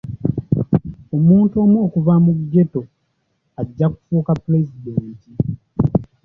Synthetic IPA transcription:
o̞muːnto̞ːmwo̞ːkuvamuɡe̞to̞ | aɟːaku̥fuːkapule̞zideːnti

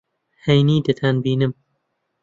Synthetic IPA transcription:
hejniːd̪ɨt̪ʰanbiːnɨm

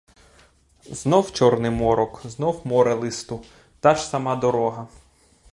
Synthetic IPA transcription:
znɔwt͡ʃɔrnɪmɔɾɔkznɔwmɔɾelˠɪst̪ʊ | t̪ɑʒsɐmɑd̪ɔɾɔɦɐ

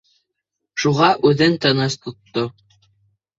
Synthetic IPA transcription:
ʃuʁɑʔʉðɘnt̪ɑnɤst̪ŏt̪ːo

